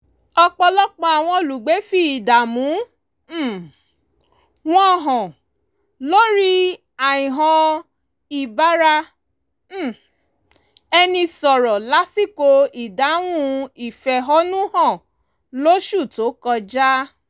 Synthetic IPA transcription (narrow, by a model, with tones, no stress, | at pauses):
ɔ˧k͡pɔ˧lɔ˦k͡pɔ̃˧a˨w̃ɔ̃˧o˨lu˨ɡ͡be˨˦fi˦i˨da˨mũ˨˦˨ | w̃ɔ̃˦˧˨ɦɔ̃˨ | lo˦ɾi˦ | a˨ĩ˨ɦɔ̃˧ | i˨ba˦ɾa˧˦˨ | ɛ˧nĩ˧sɔ˨ɾɔ˨la˨˦si˦˨ko˧i˨da˨˦w̃ũ˦i˨fɛ˨ɦɔ˦nũ˦hɔ̃˦˨ | lo˦ʃu˦˨to˨˦kɔ˧d͡ʒa˦